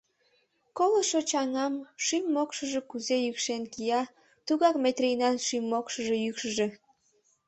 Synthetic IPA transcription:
koləʃot͡ɕɑŋɑmʃymːokʃəʒe̽kuzejykʃenkijɑ | t̪uɣɑkmet̪rijnɑnʃimːokʃəʒe̽jykʃəʒe̽

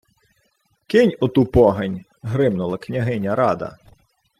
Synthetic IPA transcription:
kɪnʲʊt̪upɔɦɐnʲ | ɦɾɪbnʊlˠɐknʲɐɦɪnʲɐɾɑd̪ɐ̰

